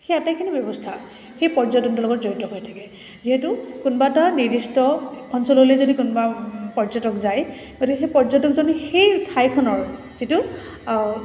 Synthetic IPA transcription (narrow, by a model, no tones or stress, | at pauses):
xejatajkʰinibjɔbɔstʰa | xejpɔɹzɔtɔntɔlɔɡɔtzoɹitɔɦojtʰakɛ | ziɦetukunbataniɹdistɔɔnsɔlolezodikunɔbapɔɹzɔtɔkzaj | ɡ̥otikɛxejpɔɹzɔtɔkzɔnɛxejtʰajkʰɔnɔɹ | zitu